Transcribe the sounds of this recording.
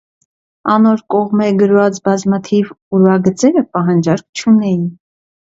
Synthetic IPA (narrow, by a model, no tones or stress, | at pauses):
ɑnɔɾkɔʁmɛɡəɾvɑt͡sbɑzmɑt̪ʰiv | uɾvɑɡət͡sɛɾəpɑɦɑnd͡ʒɑɾk̚ʰt͡ʃʰunɛjin